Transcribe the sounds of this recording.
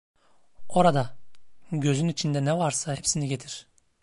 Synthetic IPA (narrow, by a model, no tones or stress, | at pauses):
oɾɑd̪ɑ | ɡʲø̞zynit͡ʃʰind̪ɛnɛvɑɾsɑɦepsiniɡʲet̪ʰiɾ̥